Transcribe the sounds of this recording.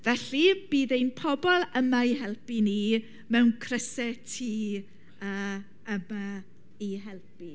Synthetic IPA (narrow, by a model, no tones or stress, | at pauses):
vɛɬib̥iːðejnpʰɔbɔlˠəmaiɦɛlˠpini | mɛwnkʰrəsɛtʰi | əː | əma | iɦɛlˠpi